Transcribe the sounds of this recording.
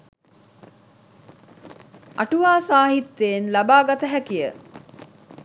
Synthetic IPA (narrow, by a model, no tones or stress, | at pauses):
ʔa̰ʈuʋaːsaːɦit̪ːeːnlabaːɡat̪əɦækijə